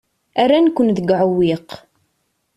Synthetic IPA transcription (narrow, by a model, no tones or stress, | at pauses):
æɾænkʷːənðəɡʕuwiq